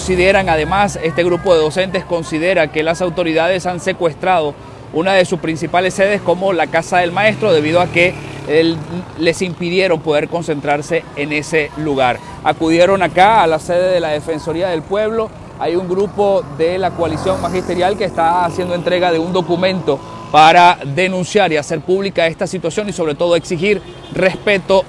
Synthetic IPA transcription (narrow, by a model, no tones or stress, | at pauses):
nsiðe̞ɾaŋaðe̞mase̞st̪e̞ɣɾupo̞ðeðo̞se̞nt̪̬e̞sko̞nsiðe̞ɾake̞lasawt̪o̞ɾiðað̞e̞sanse̞kwe̞st̪ɾað̞o̞ | unaðe̞suspɾinsipale̞sːe̞ðe̞sko̞mo̞lakasaðe̞lmae̞st̪ɾo̞ðeβ̞iðoake̞ | le̞simpiðje̞ɾo̞mpo̞ð̞e̞ɾko̞nse̞nt̪ɾaɾse̞ːne̞se̞luɣaɾ | akuð̞je̞ɾo̞nakaːlase̞ðe̞ðe̞laðe̞fe̞nso̞ɾiaðe̞lpwe̞β̞lo̞ | ajuŋɡɾupo̞ðe̞lakoalisjo̞ŋmaxist̪e̞ɾjalkeːst̪aːsje̞nd̪oent̪ɾe̞ɣaðe̞und̪o̞kumẽ̞nt̪o̞ | paɾaðe̞nũnsjaɾiase̞ɾpuβlikae̞st̪asit̪wasjo̞niso̞βɾe̞t̪o̞ð̞oeksixiɾ | re̞spe̞t̪o̞